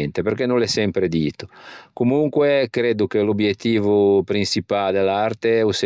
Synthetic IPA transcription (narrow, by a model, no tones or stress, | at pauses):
nt̪epeɾkɛnõlɛsɛmpɾed̪iːt̪o̥komuŋkwekɾeːd̪ukelobjet̪ːiːvupɾinsipald̪elart̪euse